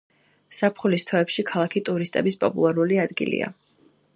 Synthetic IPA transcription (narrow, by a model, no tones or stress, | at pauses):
sapʰχulist̪ʰwɛːpʃikʰalˠakʰit̪ʼuɾist̪ʼɛbispʼɔpʼṵlˠaɾuliad̪ɡḭlḭa̰